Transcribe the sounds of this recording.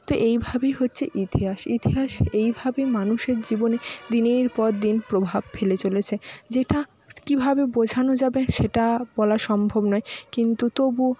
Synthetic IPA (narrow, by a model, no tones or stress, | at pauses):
t̪oʔejbʱabejɦotːɕʰeʔit̪iɦaʃit̪iɦaʃejbʱabemanuʃeɾd͡ʑiboned̪ineɾpɔɾd̪inpɾobʱab̚felet͡ɕolet͡ɕʰed͡ʑeʈa | kibʱabebod͡ʑʱanod͡ʑabeʃeʈabɔlaʃɔmbʱobnɔekint̪ut̪obu